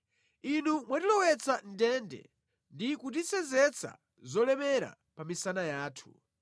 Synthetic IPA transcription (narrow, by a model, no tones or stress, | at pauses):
inumwatilɔwɛt͡sʰan̩dɛndɛ̰ | ndikut̬isɛzɛt͡sʰa̰ | zɔlɛmɛɾa̰ | pamisanajaːtʰu̥